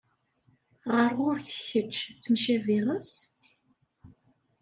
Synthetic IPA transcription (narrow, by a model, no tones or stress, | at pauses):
ʁəɾʁʊɾθəçət͡ʃːt͡sːəmʃæviʁəs